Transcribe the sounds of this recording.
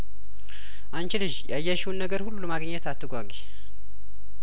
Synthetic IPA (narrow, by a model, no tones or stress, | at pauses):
ʔant͡ʃɪlɨʒjajːaʃiwnːəɡəɾhulːuləmaɡɲːɛt̪at̪ːɨɡʷaɡi